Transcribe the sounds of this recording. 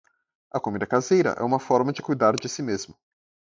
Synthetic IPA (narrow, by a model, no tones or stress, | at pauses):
ɐkomid̪ɐkazejɾɐ̰ʔɛ̰ũmɐfɔɾmɐd͡ʒɪkujd̪aɾd͡ʒɪsimezmʊ